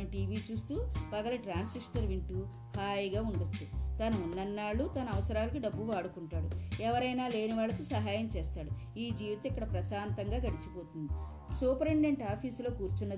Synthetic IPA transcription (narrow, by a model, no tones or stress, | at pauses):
ʈiːʋiːt͡ʃuːst̪uːpɐɡɐlɐʈɾaːnsisʈɐɾʋiɳʈu | haːjɡaːuɳɖot͡ʃːut̪ɐnɐunːɐnːaːɭːut̪ɐnɐɐʋɐsɐɾaːlɐk̬iɖɐbːuʋaːɽukuɳʈaːɽuɛʋɐɾɐjnaːle̞ːniʋaːɭːɐkusɐɦaːjɐmt͡ʃeːst̪aːɽu | iːd͡ʒiːʋit̪ɐikːɐɽɐpɾɐʃaːnt̪ɐŋɡaːɡɐɽit͡ʃipo̞ːt̪und̪i | suːpɐɾeɳɖeɳʈaːpʰiːslo̞ːkuːɾt͡ʃunːɐ